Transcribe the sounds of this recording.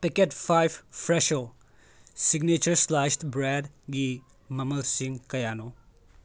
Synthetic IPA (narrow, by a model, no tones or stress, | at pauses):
piketpʰajbʰpʰɾeʃo | siɡnet͡ʃɐɾslaʃʈbɾed | ɡi | mɐmɐlsiŋkɐjano